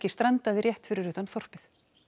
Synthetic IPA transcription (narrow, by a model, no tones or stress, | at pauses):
cɪst̪ɾant̪aðɪɾjɛht̪fɪɾɪɾʏːt̪anθɔr̥pɪθ